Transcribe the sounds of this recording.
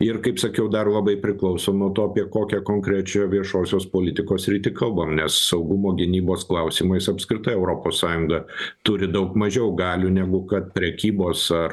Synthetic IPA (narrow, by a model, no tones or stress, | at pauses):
ɪrkɐɪpsɐkʲɛʊd̪ɐrlˠɐbɐɪpʲɾʲɪklˠɐʊsoːnuɔt̪oːɐpʲiɛkoːkʲɛkoːŋkɾʲæt͡ʃʲoːʋʲiɛʃoːsʲoːspoːlʲɪt̪ʲɪkoːsɾʲiːt̪ʲɪkɐlˠbɐmnʲɛssɐʊɡʊmoːɡʲɪnʲiːboːsklˠɐʊsʲiːmɐɪsɐpskɾʲɪt̪ɐɪɛʊɾoːpoːssɑːjʊŋɡɐt̪ʊɾʲɪd̪ɐʊkmɐʒʲɛʊɡɑːlʲuːnʲæɡʊkɐt̪̚pʲɾʲɛkʲiːboːsɐr